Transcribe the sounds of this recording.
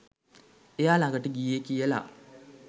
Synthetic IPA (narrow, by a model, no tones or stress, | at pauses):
ejaːlaŋɡəʈəɡiekijəla̰